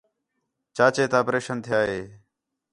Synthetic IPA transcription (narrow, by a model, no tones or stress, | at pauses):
t͡ʃaːt͡ʃeːt̪ãːpɾeːʃənt̪ʰɪjaːɦeː